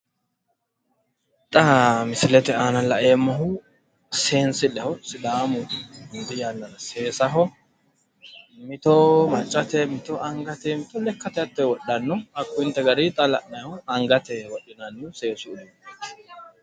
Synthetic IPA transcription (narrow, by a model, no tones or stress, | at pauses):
t̪ʼamɪsɪlɛt̪ɛaːnɐlɐʔeːmːɐɦʊ | se̞ːnsɪlɛhɔsɪd̪aːmʊhɪnd̪ɪjaːlːɐnɐseːsɐɦɔ | mɪt̪ɔmɐt͡ʃʼːɐt̪ɛmɪt̪ɔʔɐŋɡɐt̪ɛmɪt̪ɔlɛkːɐt̪ɛɐt̪ːɛwɔɗɐnːɔɐkːʊɪnt̪ːɛɡɐɾit̪ʼɐlɐ̰nːɛhɔɐŋɡɐt̪ɛwɔɗːɪnɐnːʊse̞ːsʊd̪u